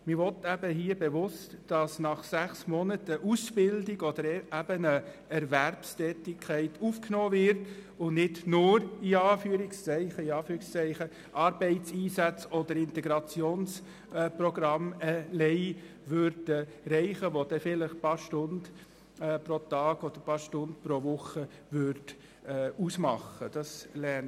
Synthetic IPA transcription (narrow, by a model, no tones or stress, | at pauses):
mɪʋɔtæbəɦiːəbɛʋʊstd̥ɑsnɑχsæχsmɔnətəʔusb̥ɪldɪɡɔd̥əɾɛæb̥ənə | ɛɾvæɾpstɛːtɪkʰχɛɪtʰuːfknoːvɪɾt | ʊnɪdnʊɾiɑːfyəɾɪkst͡sɛɪχəiɑːfyːɾɪkst͡sɛɪχə | ʔɑɾbɛɪtt͡siːsæt͡sɔd̪əɾɪnt̪ɛɡɾɑt͡sjoːns | proɡɾɑmɛlɛɪ | ʋøɾdə | ɾɛɪχəʋod̥̪ɛfɪləχpɑːɾʃtʊnd | pɾot̪ɑːɡ̥ɔd̥əɾpɑːɾʃtʊndpɾoʋʊχəʋʏɾd̥ː | usmɑχːəd̥ɑslɛn